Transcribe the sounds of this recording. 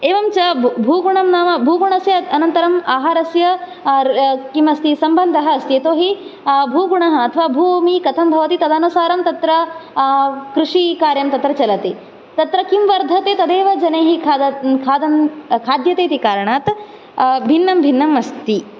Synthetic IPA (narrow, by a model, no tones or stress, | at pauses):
eːʋɐmt͡ʃɐbʱuːɡuɳɐmnaːmɐbʱuːɡuɳɐsjɐɐnɐnt̪ɐɾɐmaːɦaːɾɐsjɐ | kimɐst̪isɐmbɐnd̪ʱɐɦɐst̪jeːt̪oːɦibʱuːɡuɳɐɦɐɐt̪ʰɐʋaːbʱuːmikɐt̪ʰɐmbʱɐʋɐt̪it̪ɐd̪aːnusaːɾɐmt̪ɐt̪ɾɐ | kɾuʂikaːɾjɐmt̪ɐt̪ɾɐt͡ʃɐlɐt̪e | t̪ɐt̪ɾɐkimʋɐɾd̪ʱɐt̪eːt̪ɐd̪eːʋɐd͡ʒɐneːɦikʰaːd̪ɐkʰaːd̪jɐt̪eːt̪ikaːɾɐɳaːt̪ | bʱinːɐmbʱinːɐmɐst̪i